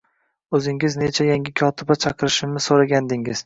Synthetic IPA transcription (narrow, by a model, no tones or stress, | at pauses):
ɵzɪŋɪzne̞t͡ʃʰajaŋʲɪkʲʰɒt̪ʰɪbat͡ʃʰɑqɨɾɪʃɪmnɪsoɾaɡʲand̪ɪŋɪz̥